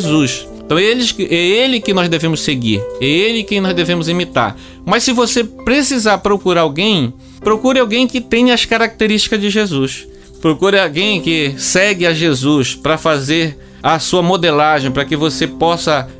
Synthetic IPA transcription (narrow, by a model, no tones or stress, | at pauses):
zus | t̪ɐ̃w̃ɛelɪkʔɛelɪkɪnɔzd̪evẽmʊsseɡḭɾɛelɪkẽj̃nɔzd̪evẽmʊzimit̪a̰ɾ | mɐssɪvosepɾesizaɾpɾokuɾaawɡẽj̃ | pɾokuɾɪawɡẽj̃kɪt̪ẽj̃ɐɐskaɾak̚t̪eɾiʃt͡ʃi̥kɐzd͡ʒɪʒezus | pɾokuɾɪawɡẽj̃kɪsɛɡɪaʒezuspɾɐfazeɾ | ɐsuɐmod̪elaʒẽj̃pɾɐkɪvosepɔsɐ